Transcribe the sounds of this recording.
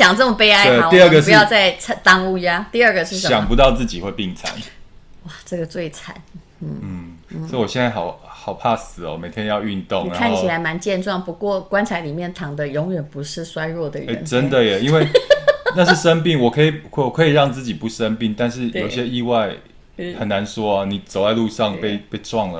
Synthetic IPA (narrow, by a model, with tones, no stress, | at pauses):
ɕjɑ˨˩ŋt͡sə˥˩mə˨˩pe˥ɪa˥ɪe˥˩˨w̪i˥˧ə˥ɡə˨ʂu˧˦jɑ˥˧ʊt͡sa˥˩ɪt͡sʰt̪ɑ˥ŋu˥˧˩jja˥t̪i˥˧ə˞˥˧ɡə˩ʂɻ̩˥˩ɕə˨jɑ˨˩ŋpu˧˦t̪ɑ˥˧ʊt͡sɹ̩˥˩t͡ɕi˨we˥˧ɪpi˥˩ŋt͡sʰa̰˨˦nwa˥˨˩ʈ͡ʂə˥˩ɡə˩t͡swe˥˩ɪt͡sʰa̰˨˦n | n̩˥˩n̩˥˩sɔ˧˥i˨˩wɔ˨˩ɕjɛ˥˧nt͡sa˥˩ɪxɑ˨˩ʊxɑ˨˩ʊpʰa˥˩sɹ̩˨˩˦ɔ̰˨˦me˨˩ɪt̪ʰjɛ˦njɑ˥˧ʊy˥˧nt̪o˥˨ŋ˨kʰa˥˩o˥t͡ɕʰi˨˩la˨˧˥ɪma˧˦nt͡ɕjɛ˥˧nʈ͡ʂwɑ˥˩ŋpu˧˥kwɔ˥˩kwa˥nt͡sʰa˧˥li˨˩mjɛ˥˩nt̪ʰɑ˧˥ŋd̪ə˨jo˧˥ŋɥɛ˨˩npu˧˥ʂɻ̩˥˩swa˥ɪɻwɔ˥˩d̪ə˩ḛ˥˩˧nʈ͡ʂə˦nd̪ə˨jɛ˨˩i˦nwe˥˧ɪna˥˧ʂɻ̩˥˩ʂə˦npi˥˨˩ŋwɔ˨˩kʰɤ˧˥i˨˩wɔ˨kʰɤ˧˥i˨˩ɻɑ˥˧ŋt͡sɹ̩˥˩t͡ɕi˨˩pu˥˩ʂə˦˥npi˥˩ŋt̪a˥˧nʂɻ̩˥˩jjo̰˨˩iɕjɛ˦˥i˥˧wa˥˩ɪ | xə˨˩na˧˦nʂwɔ˥a˧ni˨˩t͡so˨˩ʊt͡sa˥˧ɪlu˥˧ʂɑ˥˨ŋpe˥˧ɪpe˥˧ɪʈ͡ʂwɑ˥˩ŋlə˩